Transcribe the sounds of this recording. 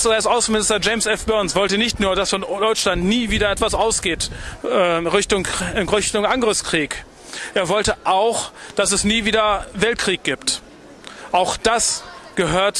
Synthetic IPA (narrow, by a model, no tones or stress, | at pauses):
seːɐɪstʔaʊsn̩mɪnɪstɐd͡ʒeɪmsʔɛfb̥œɐnsv̥ɔltənɪçtnuːɐdasfɔndɔʏt͡ʃlantniːviːdɐɛtv̥asʔaʊsɡ̥eːtɛːʁɪçtʊŋʁɪçtʊŋʔaŋɡʁɪfskʁ̥iːk | ʔeːɐvɔltəʔaʊxd̥asɛsniːviːdɐvɛlt̚kʁ̥iːk̚ɡ̥iːpt | ʔaʊxd̥asɡ̥əɦøːɐt